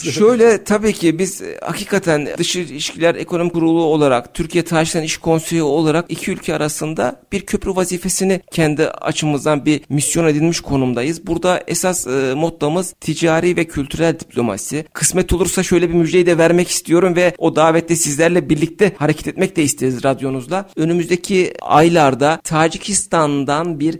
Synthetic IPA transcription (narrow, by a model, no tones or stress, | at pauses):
ʃø̞jlʲɛt̪ʰabiːcʰibiz̥ha̰kʰiːkʰat̪ʰænd̪ɯʃɯiʃcʰilʲæɾḛkʰo̞no̞mickʰuɾulˠuo̞lˠaɾa̰kt̪ʰyɾcʰijɛt̪ʰaɾʒit̪ʰaniʃkʰo̞nse̞jio̞lˠaɾakicʰiylʲcʰɛaɾasɯnd̪a̰b̥iɾcʰø̞pʰɾyvaziːfe̞sinicʰɛnd̪ia̰t͡ʃʰɯmɯzd̪anbiɾmisjo̞ne̞d̪ilʲmiʃkʰo̞numd̪ajɯzbuɾd̪aɛsasmo̞t̪̚lˠamɯz̥t̪ʰid͡ʒaːɾiːvɛcʰylʲt̪ʰyɾælʲd̪ipʰlʲo̞ma̰sikʰɯ̥smɛt̪ʰo̞lˠuɾsaʃø̞jlʲɛbimyd͡ʒd̪e̞jid̪ɛvæɾmɛci̥st̪ʰijo̞ɾumvɛo̞d̪aːvɛt̪lʲɛsizlʲæɾlʲɛbiɾlʲic̚t̪ʰɛhaɾecʰɛ̥t̪ʰɛt̪mɛc̚lʲɛist̪ʰeɾizɾad̪jo̞nuzlˠaø̞nymyzd̪ecʰia̰jlˠaɾd̪at̪ʰaːd͡ʒicʰist̪ʰand̪anbiɾ